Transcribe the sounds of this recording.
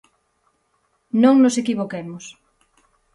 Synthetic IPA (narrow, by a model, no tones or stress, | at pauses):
nõŋnosekiβokemos